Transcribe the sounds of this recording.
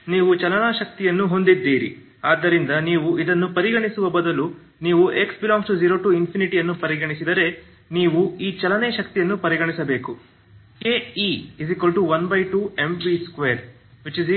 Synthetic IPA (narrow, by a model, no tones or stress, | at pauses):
niːʋut͡ʃɐlɐnaːʃɐk̚t̪ijɐnːuɦo̞nd̪id̪ːiːɾḭ | aːd̪ːɐɾind̪ɐniːʋuid̪ɐnːupɐɾiɡɐɳisuʋɐbɐd̪ɐlu | niːʋuʔe̞ksbilaːŋɡsʈud͡ʒiːɾo̞ːʈuːinpʰiniʈijɐnːupɐɾiɡɐɳisid̪ɐɾe̞ | niːʋuiːt͡ʃɐlɐneːʃɐk̚t̪ijɐnːupɐɾiɡɐɳisɐbe̞ːku | ke̞ːiizikʋɐlɖʈuʋɐnbɐjʈuːemʋiskʋeːɾ | ʋit͡ʃiz